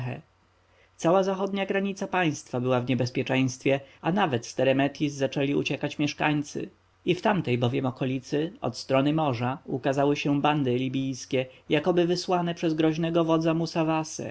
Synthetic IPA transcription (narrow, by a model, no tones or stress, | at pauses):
xɛ̰ | t̪sawazaxɔd̪ɲaɡɾaɲit̪sapaj̃st̪fabɘwavɲɛbɛspʲjɛt͡ʂɛ̃j̃st̪fʲjɛanavɛt̪st̪ɛɾɛmɛt̪jizːat͡ʂɛlʲiṵt͡ɕɛkat͡ɕmʲjɛʂka̰ɲt̪sɘ̰ | ift̪amt̪ɛjbɔvʲjɛmɔkɔlʲit̪sɘɔ̰t̪st̪ɾɔnɘmɔʐaukazawɘɕɛband̪ɘlʲibʲijskʲɛjakɔbɘvɘswanɛpʂɛzɡɾɔʑnɛɡɔvɔd̪zamusavasɛ̰